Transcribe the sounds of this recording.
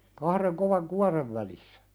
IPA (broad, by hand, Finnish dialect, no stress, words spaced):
kɑhreŋ koʋɑŋ kuɑreʋ ʋælisːæ̥